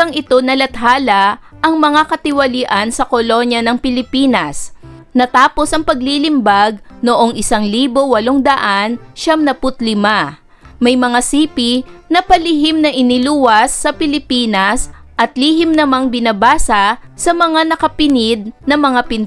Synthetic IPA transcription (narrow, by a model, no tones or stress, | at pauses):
ɐŋɪt̪o̞nɐlɐt̪haːlɐʔɐŋmɐŋakɐt̪ɪwɐliʔɐnsɐkolo̞njɐnɐŋpɪlɪpiːnɐs | nɐt̪aːpo̞sɐŋpɐɡlilɪmbaɡ̚noʔo̞ŋʔɪsaŋliːbo̞wɐloŋd̪ɐʔanʃamnɐpʊt̪lɪma | mɐjmɐŋasiːpinɐpɐlɪɦɪmnɐʔɪnɪluːwɐsːɐpɪlɪpiːnɐs | ʔɐt̪lihɪmnɐmaŋbɪnɐbaːsɐsɐmɐŋanɐkɐpɪnɪd̪̚nɐmɐŋapɪn